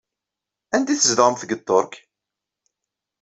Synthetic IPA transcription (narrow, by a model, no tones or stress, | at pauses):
ænd̪iθəzd̪ʁmθɡət̪ˤːoɾk